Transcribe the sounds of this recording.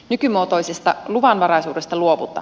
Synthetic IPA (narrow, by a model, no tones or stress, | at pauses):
nykymuot̪o̞jsest̪ɑluʋɑnʋɑɾɑjsuːde̞st̪ɑluoʋṵt̪ːˑɑ̰